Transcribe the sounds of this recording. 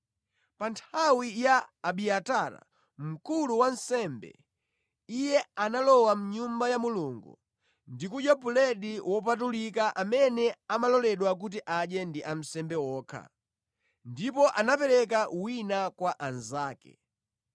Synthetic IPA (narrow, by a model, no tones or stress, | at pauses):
pantʰawijaːɓiataɾa̰ | m̩kuluwan̩sɛmbɛ̰ | ijɛanalɔwam̩ɲumbajamuluŋɡṵ | ndikujɔpulɛɗiwɔpatulikaʔamɛnɛamalɔlɛɗwak̬ut̬iʔaʄɛndiʔam̩sɛmbɛwɔːkʰa̰ | ndipɔʔanapɛɾɛk̬awinakwaʔanzaːkɛ̰